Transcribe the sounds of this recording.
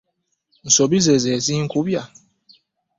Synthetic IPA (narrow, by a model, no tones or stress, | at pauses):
n̩sɔbizɛzɛziŋ̩kʰubja